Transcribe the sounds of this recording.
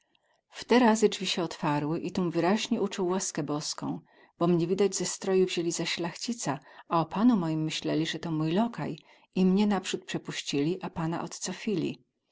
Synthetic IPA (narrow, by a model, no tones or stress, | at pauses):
ft̪ɛɾazɘd͡ʐvʲiɕɛɔt̪faɾwɘʔit̪umvɘɾaʑɲɛut͡ʂuwːaskɛbɔskɔ̰̃w̃ | b̥ɔmɲɛvʲid̪ad͡ʑzɛst̪ɾɔjuvʑelʲizaɕlaxt͡ɕit̪saaɔpanumɔjimːɘɕlɛlʲiʐɛt̪ɔmujlɔka̰j | imɲɛnapʂut̪̚pʂɛpuɕt͡ɕilʲiʔapana̰ʔɔt̪t̪sɔfʲilʲḭ